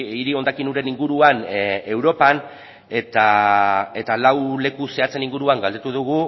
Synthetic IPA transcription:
iɾio̞nd̪akinuɾe̞niŋɡuɾuane̞wɾo̞pan | e̞t̪ae̞t̪alawle̞kuseat͡se̞niŋɡuɾuaŋɡald̪e̞t̪uðuɣ̞u

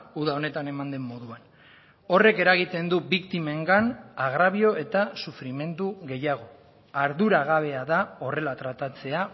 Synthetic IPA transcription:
uðao̞ne̞t̪ane̞mand̪e̞mːo̞ðuan | o̞re̞ke̞ɾaɣ̞it̪e̞nd̪ubikt̪ime̞ŋɡanaɣ̞ɾaβio̞e̞t̪asufɾime̞nd̪uɣe̞jaɣ̞o̞ | aɾðuɾaɣaβ̞e̞aðao̞re̞lat̪ɾat̪at͡se̞a

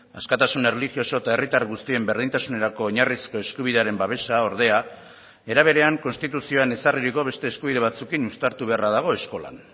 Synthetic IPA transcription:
askat̪asune̞relixio̞so̞t̪ae̞rit̪aɾɣust̪ie̞mbe̞ɾð̞int̪asune̞ɾako̞ːɲarisko̞e̞skuβ̞iðe̞aɾe̞mbaβ̞e̞sao̞ɾð̞e̞a | e̞ɾaβ̞e̞ɾe̞aŋko̞nst̪it̪usio̞ane̞sariɾiko̞βe̞st̪e̞ːskuβiðe̞β̞at͡sukinust̪aɾt̪uβe̞araðaɣ̞o̞e̞sko̞la̰n

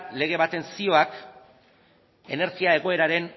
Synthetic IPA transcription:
le̞ɣ̞e̞βat̪e̞nsio̞ak | e̞ne̞ɾsiae̞ɣ̞o̞e̞ɾaɾe̞n

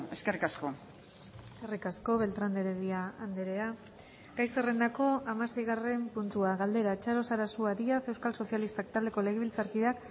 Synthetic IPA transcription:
eskerikasko̞ | eskerikasko̞βe̞lt̪ɾand̪eɾeðiaːnd̪eɾe̞a | ɡ̥ajsere̞nd̪ako̞amase̞jɣare̞mpunt̪uaɣald̪e̞ɾat͡ʃaɾo̞saɾasuaɾiase̞wskalso̞sjalist̪ak̚t̪ald̪e̞ko̞le̞ɣeβilt͡saɾkiðak

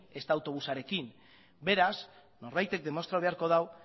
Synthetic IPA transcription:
e̞st̪aːwt̪o̞β̞usaɾe̞kin | be̞ɾas | no̞ɾβajt̪e̞k̚d̪e̞mo̞st̪ɾaoβe̞aɾko̞ð̞aw

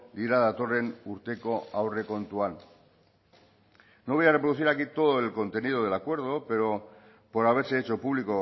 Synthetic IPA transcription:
d̪iɾaðat̪o̞re̞nuɾt̪e̞koawre̞ko̞nt̪uan | noβ̞ojarepɾoðuθiɾakit̪o̞ð̞oe̞lko̞nt̪e̞nið̞oð̞elakwe̞ɾð̞o̞pe̞ɾo̞ | po̞ɾaβ̞e̞ɾse̞et͡ʃo̞puβ̞liko

